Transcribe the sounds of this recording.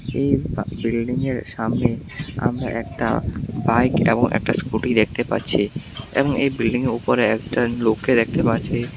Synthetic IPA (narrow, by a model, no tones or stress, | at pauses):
ejbbilɖiŋeɾʃamnea̰mɾa̰ʔɛkʈa̰bajkḛboŋʔɛ̰k̚ʈaskuʈid̪ek̚ʰt̪epa̰ɾt͡ɕʰiḛboŋejbilɖiŋeɾupoɾeɛkʈalokːed̪ek̚ʰt̪epaɾt͡ɕʰe